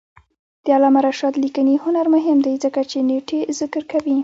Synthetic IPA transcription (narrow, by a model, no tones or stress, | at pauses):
d̪̥əalɑmaɾaʃɑd̪likənihʊnaɾmʊɦɪmd̪ajzəkat͡ʃeneʈʰezɪkɾkawi